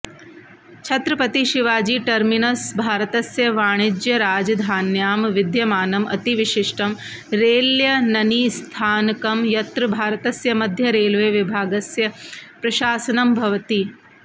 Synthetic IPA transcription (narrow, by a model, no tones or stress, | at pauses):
t͡ʃʰɐt̪ɾɐpɐt̪iʃiʋaːd͡ʒiːʈɐɾminɐsbʱaːɾɐt̪ɐsjɐʋaːɳ̃id͡ʒjɐɾaːd͡ʒɐd̪ʱaːnjaːmʋid̪jɐmaːnɐmɐ̰t̪iʋiʃiʂʈʰɐm | ɾeːljɐnɐnist̪ʰaːnɐkɐmjɐt̪ɾɨbʱaːɾɐt̪ɐsjɐmɐd̪ʱjɐɾeːlʋeːʋibʱaːɡɐsjɐpɾɐʃaːsɐnɐmbʱɐʋɐt̪i